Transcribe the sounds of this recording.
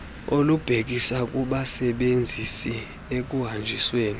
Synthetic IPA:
olub̥ʱek̬ʼisakʼuɓasɛɓend͡zʱisi | ek̬ʼuɦand͡ʒʱisweːni

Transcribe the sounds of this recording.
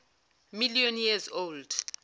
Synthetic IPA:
milijɔnjɛzold̥

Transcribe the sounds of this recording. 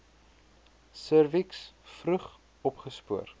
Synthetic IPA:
sərviksfrəχ | ɔpχəspuər

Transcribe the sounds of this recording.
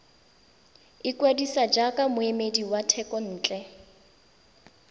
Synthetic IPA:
ɪkʼwedisad͡ʒakʼamʊemediwatʰɛkʼɔn̩ːt͡ɬʼɛ

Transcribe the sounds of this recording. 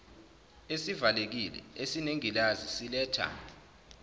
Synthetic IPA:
esivalek̬ilɛ̰esineŋilazisilɛːtʰa̰

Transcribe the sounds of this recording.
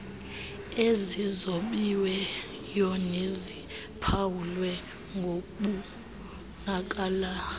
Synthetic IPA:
ezizoɓiwɛ | jɔnezi | pʰawulwɛ | ŋɡʱoɓu | nak̬ʼaːla

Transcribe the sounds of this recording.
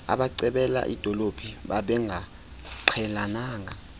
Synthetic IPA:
a̰ɓaǀɛɓɛla̰ʔḭd̥ʱɔlob̥ʱiɓaɓɛŋa | ǃʰɛlanaːŋa

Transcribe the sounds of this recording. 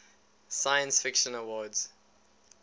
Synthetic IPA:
sajə̃nsfɪkʃə̃nəwɔdz̥

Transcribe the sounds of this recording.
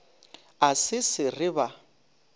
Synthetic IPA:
asɪsɪrɪβa

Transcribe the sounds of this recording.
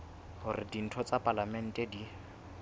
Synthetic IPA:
hʊrɪdin̩tʰɔt͡sapʼalamɛn̩tʼɛdi

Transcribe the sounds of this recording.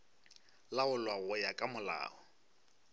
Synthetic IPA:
laʊlwaɣʊjakʼamʊla̰ːɔ

